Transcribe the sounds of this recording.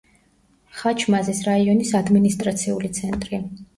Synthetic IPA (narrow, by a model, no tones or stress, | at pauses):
χat͡ʃʰmazisɾaiɔnisad̪minist̪ʼɾat̪sʰiulit̪sʰɛnt̪ʼɾi